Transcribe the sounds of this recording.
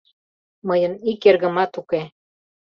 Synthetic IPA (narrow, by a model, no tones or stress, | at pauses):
məjənikerɣə̆mɑt̪uke